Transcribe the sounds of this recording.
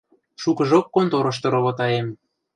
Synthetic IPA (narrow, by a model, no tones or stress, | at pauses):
ʃukəʒokːont̪oɾɤ̆ʃ̬t̪ɤ̆ɾoβot̪ɑem